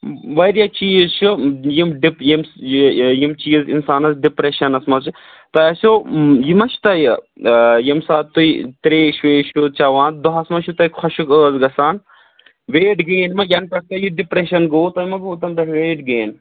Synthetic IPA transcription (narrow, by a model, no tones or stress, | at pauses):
ʋɐɾjat͡ʃiːzt͡ʃʰujimɖipjim | jimt͡ʃiːzḭnsaːnɐsɖipɾeʃɐnɐsmɐt͡ʃʰu | t̪ɐɐsʲoːjimɐt͡ʃʰt̪ɐj | jimsaːt̪t̪ːuit̪ɾeːʃʋeːʃut͡ʃaʋaːn̚d̪uɦɐsmɐt͡ʃʰut̪ɐjkʰɐʃukəːzɡɐsaːn | ʋeːʈɡeːnmɐjɐnpɐk̚t̪ɐjiɖipɾeʃɐnɡoːt̪ɐjmɐɡuːt̪ɐnd̪ɐɾeːʈɡeːn